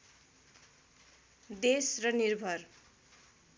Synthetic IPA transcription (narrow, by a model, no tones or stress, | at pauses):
d̪esrʌnirbʱʌr